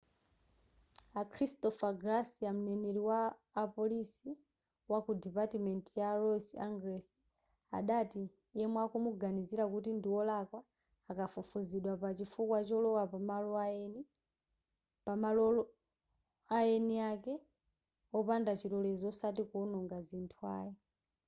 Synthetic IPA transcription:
akʰɾistɔfaɡɾasiamunɛnɛɾiwaː | pɔlisi | wakudipatimɛntjaɾɔsaŋɡɾɛsi̥ | a̰ɗati | jɛmwakumuɡaniziɾakut̬indiwɔlakwaː | kafufuziɗwapat͡ʃifukwat͡ʃɔlɔwapamalɔaɛni | pamalɔɔ | ajɛniakɛ | ɔpandat͡ʃiɾɔlɛzɔsatikɔnɔŋɡazintʰua̰ːjɛ

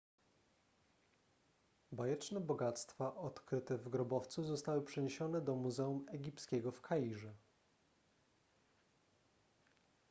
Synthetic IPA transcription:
bajɛt͡ʂnɛbɔɡat̪st̪faʔɔt̪kɾɘt̪ɛvɡɾɔbɔft̪suzɔst̪awɘpʂɛɲeɕɔnɛd̪ɔmuzɛumɛɡʲipskʲɛɡɔfkʰajiʐɛ

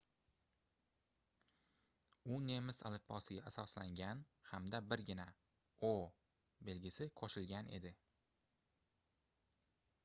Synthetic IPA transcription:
ʊne̞mɪsa̰lɪpʰːɒsɪɡʲaasɒslaŋɡʲan | hamd̪abɪɾɡʲɪna | o | be̞lɡʲɪsɪkʰoʃɪlɡʲane̞̰d̪ɪ

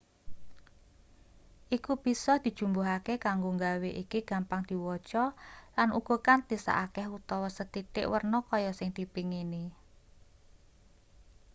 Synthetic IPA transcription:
ʔikub̥i̤sɔd̪̥i̤d̥ʒ̥ṳmbuɦakekaŋɡoŋɡaweʔikiɡ̥a̤mpaŋd̪̥i̤wɔ̥t͡ʃɔlanuɡ̥ɔ̤kant̪isa̰ʔakɛhut̪ɔwɔsət̪it̪ɪ̰ʔwərnɔkɔjɔsɪŋd̪̥ipiŋini

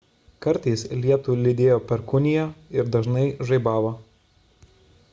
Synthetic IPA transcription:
kɐɾʲt̪ɐɪslʲiɛt̪ulʲɪd̪ʲeːjoːpʲɛɾkʊnʲɪjɛːɪɾd̪ɐʒnɐɪʒɐɪbɑːʋoː

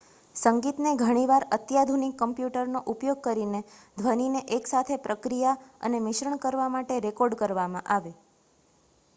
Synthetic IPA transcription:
səŋɡit̪neɡʱəɽ̃iʋaɾət̪jad̪ʱunikːəmpjuʈəɾnoʔupjoɡ̚kəɾined̪ʱʋənineʔeksat̪ʰepɾəkɾijaə̰nemɪʃɾəɳkəɾʋamaʈeɾekɔɾɖkəɾʋamã̰ʔaʋe

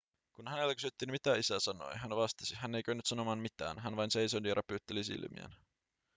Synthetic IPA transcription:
kunhæne̞lːækysyt̪ːiːnmit̪æisæsɑno̞̰jɦænʋɑst̪ɑ̥sihænːejk̟øynːyt̪sɑno̞mɑːnmit̪æ̰ːnɦænʋɑjnse̞jsond̪iɾʔɑpyːt̪ːelisḭlmḭæ̰n

